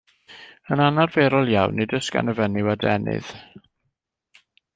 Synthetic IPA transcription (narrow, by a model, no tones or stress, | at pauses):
ənanarveːɾɔlˠjawnːɨdəska̰nəvɛnɪwadɛnɨ̰ð̥